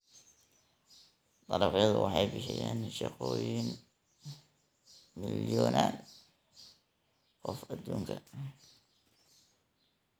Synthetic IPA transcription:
t̪ˤɑɾɑħjɐðʊwɑħɑjbɪħɪjaːnʃɑqɔːjin | mɪljɔːnaːn | qɔfɐd̪ːuːŋkʰɐ

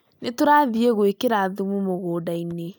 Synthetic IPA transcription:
netoɾaðieɣoekeɾaðumumoɣoːdaine

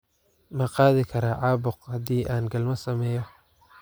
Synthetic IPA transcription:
mɐqɑːðɪkʰɐɾaʕɑːbʊqhɐðiːʔaːnɡɐlmɐsɐmɛːjɔ

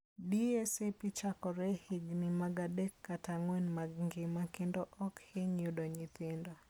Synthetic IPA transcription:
diɛsepit͡ʃakɔɾɛhɪɡnɪmaɡadekːataŋwɛnmaɡŋɡɪmakɪndɔʔɔkhɪɲudɔɲɪt̪ɪndɔ

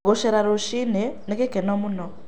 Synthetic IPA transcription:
ɡoʃɛɾaɾoʃinenekɛkɛnɔmunɔ

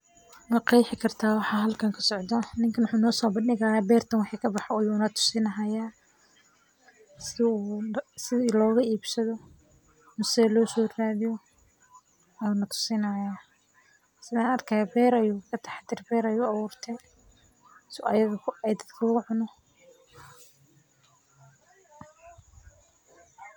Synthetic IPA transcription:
mɐqɑjħɪkʰɐrt̪ʰaːwɑħɑːɦɐlkʰɐŋkʰɐ̥sɔʕd̪ɔnɪŋkʰɐwʊħuːnɔːsɔːbɐndɪɣaːjaːbɛːrt̪ʰɐnwɑħiːkʰɐbɑħɔːjuːnɐt̪ʰʊ̥sɪnɐɦɐjaː | sɪusɪðilɔːɣɐiːbsɐðɔ | nʊsɛlɔːsɔːraːðɪjɔ | ɐjuːnɐt̪ʰʊ̥sɪnɐjaː | sɪðaːnɐrkʰɐjabɛːɾɐjuːkʰɐt̪ʰɑħɑt̪ɪrbɛːɾɐjuːɐβʊːrt̪ʰɛ | sɐjɐɣɐɛjd̪ɐd̪kʰɐʊɣʊʕʊnɔ

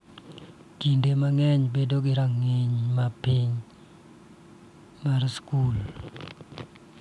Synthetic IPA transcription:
kindemaŋɛɲbedoɡɪɾaŋeɲmapiɲ | marskul

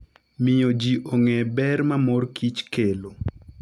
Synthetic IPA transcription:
mɪjod͡ʒiʔoŋɛbɛɾmamɔrkʰit͡ʃkelo

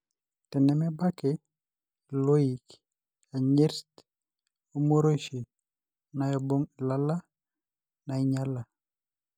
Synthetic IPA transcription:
tɛnɛmɛbake | loik | aɲeɾt | omoɾoʃi | najɔboŋlala | naiɲala

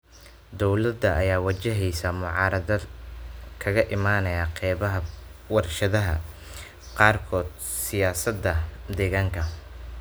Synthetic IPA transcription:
d̪ɔwlɐd̪ːɐʔɐjaːwɐt͡ʃɐɦɛjsamʊʕɑːɾɐðɐ | kʰɐɣɐʔɪmaːnɐjaqɛːβɐɦɐwɐrʃɐðɐɦɐ̰ | qɑːrkʰɔːd̪̚ | sɪjaːsɐd̪ːɐd̪ɛːɣaːŋkʰɐ

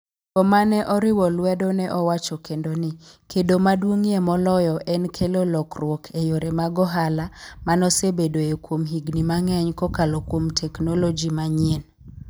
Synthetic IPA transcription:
kɔmanɛʔɔɾɪwɔlwɛdonɛʔɔwat͡ʃɔkendonɪkʰedomadwoŋiemɔlɔjɔʔɛnkʰelolɔkrwokʰejoɾemaɡɔɦalamanɔsebedoekwomɦiɡnimaŋɛɲkɔkalɔkwomtʰɛknɔlɔd͡ʒimaɲiɛn

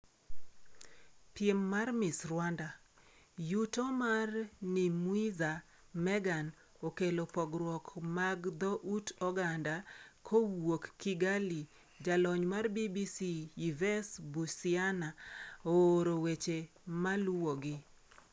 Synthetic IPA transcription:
pɪɛmːarmɪsrwanda | jutomarnimuiza | mɛɡan | okelopɔɡɾwɔkmaɡd̪ɔʔutɔɡandakʰowokːiɡali | d͡ʒalɔɲmarbibisiivɛsbusɪanaoɾowet͡ʃe | maluwoɡɪ

